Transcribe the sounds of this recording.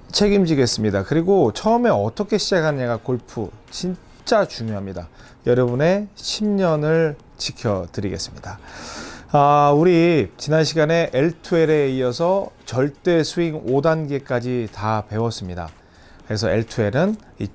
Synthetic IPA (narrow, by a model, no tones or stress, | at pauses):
t͡ɕʰe̞ɡimd͡ʑiɡe̞s͈ɯmɲidakɯɾiɡot͡ɕʰʌɯme̞ʌt͈ʌkʰe̞ɕʰid͡ʑakʰanɯɲaɡakoɭpʰut͡ɕin | t͡ɕ͈at͡ɕuŋjoɦamɲida | jʌɾʌbune̞ɕʰimɲʌnɯɭ | t͡ɕikʰjʌtɯɾiɡe̞̰s͈ɯmɲid̥a | auɾit͡ɕinanɕʰiɡane̞ʔeɭtʰue̞ɾe̞iʌsʰʌt͡ɕʌɭt͈e̞sʰuiŋodanɡe̞k͈ad͡ʑitape̞wʌs͈ɯmɲida̰ | kɯɾe̞sʰʌ̰eɭtʰue̞ɾɯn | ḭ